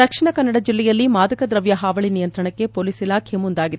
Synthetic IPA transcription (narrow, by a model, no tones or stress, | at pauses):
d̪ɐkʂiɳɐkɐnːɐɽɐd͡ʒilːɛjɐlːimaːd̪ɐkɐd̪ɾɐʋjɐɦaːʋɐɭinijɐnt̪ɾɐɳɐkːe̞poːliːsilaːkʰemund̪aːɡid̪